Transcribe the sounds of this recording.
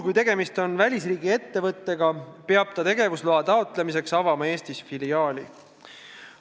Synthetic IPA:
kujt̪e̞ɡe̞mist̪o̞nvælʲisriːɡ̥ie̞t̪ːe̞vɤt̪ˑːe̞ɡɑpe̞ɑb̥̚t̪ɑt̪e̞ɡe̞vusloɦɑt̪ɑot̪le̞mis̬e̞ksɑvɑmɑe̞ːst̪isfiliɑːlʲḭ

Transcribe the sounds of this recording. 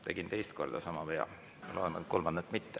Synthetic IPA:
t̪e̞̰ɡ̥int̪e̞jst̪̚ko̞̰rd̪̥ɑsɑmɑpejɑ̰ | jɑloenɑko̞lmɑnd̪et̪ːˑmit̪ːe

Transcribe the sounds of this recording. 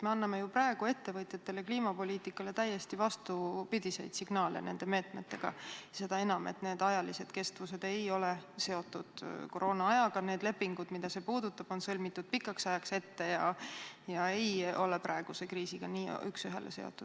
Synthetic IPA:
me̞ɑnːɑme̞juprɑe̞ɡ̥ue̞t̪ːe̞vɤt̪ʲjɑt̪ːe̞le̞kliːmɑpo̞lʲiːt̪ˑikːˑɑle̞t̪æjːe̞st̪ivɑst̪upid̪̥ise̞̰jd̪̥siɡ̥nɑːlḛne̞̰nd̪̥e̞me̞ːt̪me̞t̪ːe̞ɡ̥ɑ̰se̞d̪̥ɑe̞nɑme̞̰t̪ne̞ːd̪̥ɑjɑlise̞d̪̥ke̞st̪vuse̞d̪̥e̞jo̞lese̞o̞t̪ːˑud̪̥ko̞ɾʔo̞ːnɑɑjɑɡ̥ɑne̞ːd̪le̞pːiŋɡ̥ud̪̥mid̪̥ɑse̞ːpuːd̪̥ut̪ːˑɑb̥o̞nsɤlʲmit̪ˑːud̪̥̚pikːˑɑksɑjɑkse̞t̪ːe̞jɑjɑe̞jo̞lepɾɑeɡ̥use̞kriːsiɡ̥ɑnḭːy̰ksyɦe̞̰lʔḛse̞o̰t̪ːˑud̥

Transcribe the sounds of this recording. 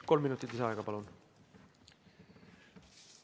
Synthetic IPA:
kolmːinuːt̪ːit̪iseɑjkɑpɑlon

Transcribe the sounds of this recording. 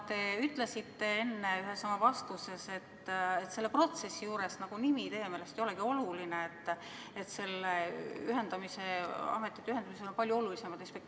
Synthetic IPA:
t̪e̞yt̪ːˑlesit̪ːe̞e̞nːeyɦe̞sɑmɑvɑst̪use̞se̞t̪ːet̪ːse̞lːe̞pro̞t̪se̞sːijuːɾe̞snɑɡ̥unimit̪e̞jemeːlest̪ejoe̞ɡio̞lulineet̪ːˑ | et̪se̞lːeyɦe̞nd̪ɑmise̞ɑ̰me̞t̪ːˑit̪ːyhend̪̥ɑmise̞lo̞npɑlʲjuo̞lulise̞mɑd̪̥espek̪̚

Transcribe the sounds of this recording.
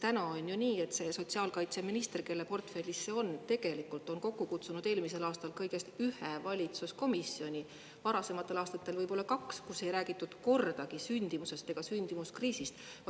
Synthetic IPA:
t̪ænɑonʲjuniːe̞t̪se̞so̞t̪ʲsiɑːlkɑjt̪se̞minist̪e̞rke̞lːepo̞rt̪fe̞lʲːisːeo̞nt̪e̞ɡ̥e̞likːˑult̪ˑo̞nko̞kːukut̪sunud̪̥e̞ːlmise̞lɑːst̪ɑlkɤjɡe̞st̪yhevɑlʲit̪susko̞misːio̞nʲi | vɑɾɑse̞mɑt̪ːˑe̞lɑːst̪ɑt̪ːˑe̞lvɤjb̥o̞lːɑkɑkskuse̞jɾæːɡ̥it̪ːˑud̪̥ko̞rd̪̥ɑɡ̥isynʲd̪̥imuse̞st̪e̞ɡ̥ɑsynʲd̪̥imuskriːsist̪vɑ

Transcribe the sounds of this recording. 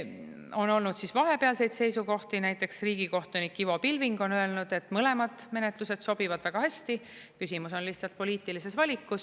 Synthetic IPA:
o̞no̞lnud̪̥sisvɑɦe̞peɑlse̞jd̪se̞jsuko̞ht̪inæjt̪ːˑe̞ksriːɡ̥iko̞ht̪unikːivo̞pilviŋɡ̥o̞nø̞e̞lnud̪̥e̞t̪ːˑmɤle̞mɑd̪̥me̞ne̞t̪luse̞d̪̥so̞b̥ivɑd̪̥væɡ̥ɑhæsʲt̪i | kysimuso̞nliht̪sɑlt̪̚po̞liːt̪ːˑilise̞svɑlʲikːˑus

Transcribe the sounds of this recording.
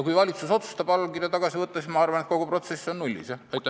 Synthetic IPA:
kujvɑlʲit̪suso̞t̪su̥st̪ɑb̥ɑlkirjɑt̪ɑɡ̥ɑsivɤt̪ːˑɑsmɑɑrvɑnet̪̚ko̞ɡ̥upro̞t̪se̞sːo̞nnulʲːḭsɑɑjt̪ːˑ

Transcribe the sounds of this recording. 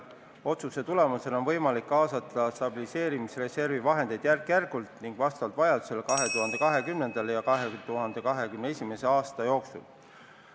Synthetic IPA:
o̞t̪suse̞t̪ule̞muse̞lo̞nvɤ̞jmɑlikːɑːsɑt̪ːˑɑst̪ɑb̥ilise̞ːɾimisre̞se̞rvivɑɦe̞nd̪̥e̞jd̪̥jærkjærɡ̥ult̪ˑniŋɡ̥vɑst̪ɑɑlt̪vɑjɑd̪̥use̞lekɑɦe̞t̪uɦhɑnd̪̥e̞kɑɦe̞kymne̞nd̪̥ɑlejɑkɑɦet̪uɦɑnd̪e̞kɑɦe̞kymneesʲime̞se̞ɑːst̪ɑjo̞ːksṵl

